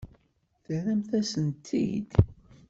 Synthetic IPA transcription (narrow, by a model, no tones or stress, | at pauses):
θəɾæmθæsənt̪ʰːḭd̪